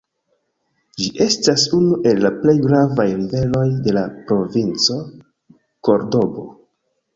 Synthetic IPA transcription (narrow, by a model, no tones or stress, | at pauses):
d͡ʒiʔe̞stasunuʔe̞lːaple̞jɡɾavajɾive̞lo̞jde̞lapɾo̞vint͡so̞ | ko̞ɾdo̞bo̞̰